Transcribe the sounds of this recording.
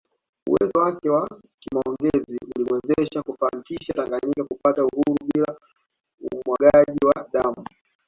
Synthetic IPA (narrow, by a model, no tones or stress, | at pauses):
ṵwɛzɔwakɛwa | kimaɔŋɡɛziuliwɛzɛʃakufanikiʃataŋɡaɲikakupatauhuɾuɓila | ṵmwaɠaʄiwaɗamu